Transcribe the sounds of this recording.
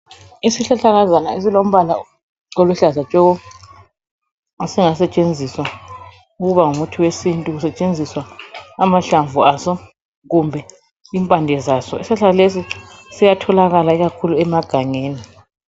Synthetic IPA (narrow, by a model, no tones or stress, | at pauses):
isiɬaɬaɣazanaes̬ilom̩βala̰ | oluɬazat͡ʃʼɔɣɔ | asiŋasɛt͡ʃʼend͡zʱiswa | uɣuβaŋumutʰiwesintʼuɣusɛt͡ʃʼend͡zʱiswaːmaɬaɱvuasɔ | ɣumbʱɛ | iːmpʼandʱɛzasɔisaɬalesisijatʰɔlaɣalaiɣakʰuluɛmaɡ̥ʱaŋeːni